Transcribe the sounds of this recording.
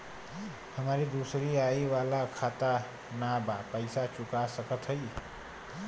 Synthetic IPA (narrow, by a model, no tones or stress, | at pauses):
həmaɾid̪usɾiajwalakʰat̪a | nabapəjsat͡ʃukasəkət̪ʰɦəj